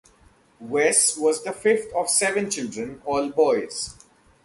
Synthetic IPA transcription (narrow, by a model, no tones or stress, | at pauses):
wɛsʋɔːzd̪əfɪft̪ʰɔʋsɛʋə̃nt͡ʃɪlɖɾə̃nɔːlbɔɪz̥